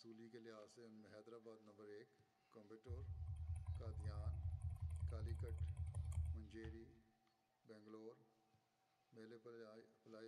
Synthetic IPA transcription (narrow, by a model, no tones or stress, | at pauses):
suːlikelɪɦaːsenmɦɛːd̪ɾaːbaːd̪nɐ̃mbəɾeːkː | ɔ̃mbɪʈoːɾkaːd̪ijaːnkaːlikəʈmʊ̃ɲd͡ʒeːɾiː | bɛ̃ːŋɡloːɾ | meːleplaː